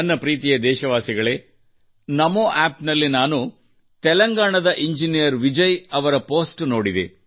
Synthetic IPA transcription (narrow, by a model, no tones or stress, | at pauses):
ɐnːɐpɾiːt̪̬ijɐd̪ɛːʃɐʋaːsiɡɐɭeː | nɐmoːʔaːpnɐlːinaːnu | t̪ɛlɐŋɡaːɳɐd̪ɐʔiɲd͡ʒinijɐɾʋid͡ʒɐjɐʋɐɾɐpo̞ːsʈno̞ːɽid̪ḛ